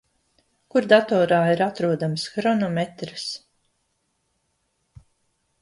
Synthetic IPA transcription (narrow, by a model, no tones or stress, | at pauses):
kuɾd̪at̪ɔːɾaːiɾat̪ɾuɔd̪amsxɾɔnɔmet̪ɾɨs